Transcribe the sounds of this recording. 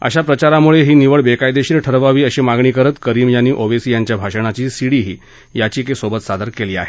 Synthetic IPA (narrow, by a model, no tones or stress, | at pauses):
ə̰ɕapɾət͡ɕaɾamuɭeɦiːniʋəɭbekajd̪eɕiːɾʈʰəɾʋaʋiːəɕimaɡɳiːkəɾət̪kəɾiːmjanːiːʔoʋesiːjaɲt͡ɕjabʱaʂəɳ̃at͡ɕiːsiɽiːɦiː | jat͡ɕiːkesobət̪sad̪əɾkeliːa̰ɦe